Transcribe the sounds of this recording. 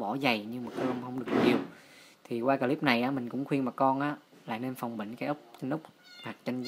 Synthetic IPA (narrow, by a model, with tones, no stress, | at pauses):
ɓɔ˧˩˦za˨˩jɲɨ˧ŋmaː˨˩kə˨˧˦wŋ͡mhə˧wŋ͡mɗɨ˨˩ə˩k̚ɲi˨˩əw | t̪ʰi˨˩waː˧kaː˧li˦˥p̚na˨˩jʔaː˨˦mï˨˩ŋ̟kʊ̰˧˥ŋ͡mxwi˧ənmaː˨˩kkɔ˧nʔaː˨˦ | la̰ː˧˨jne˧nfa˨˩wŋ͡mɓḭ˧˨ŋ̟kaː˨˦jʔə˦˥k͡p̚t̪i˧ŋ̟ʔə˦˥wk͡p̚haː˨˩k̚t͡ɕə˧n